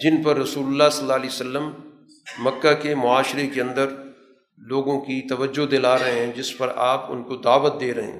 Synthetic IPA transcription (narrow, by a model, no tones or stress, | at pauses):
d͡ʒɪnpɐɾːɐsuːlʊlːaːsɐlːaːliːosəlːəmː | ɐkːakemʊaːʃɾekeɐ̃nd̪əɾ | loːɡõkit̪ɐʋəd͡ʒod̪ɪlaːɾɐɦẽɦɛ̃d͡ʒɪspɐɾaːpʊ̰̃nkod̪aːʋət̪̚d̪eːɾɐɦḛ̃ː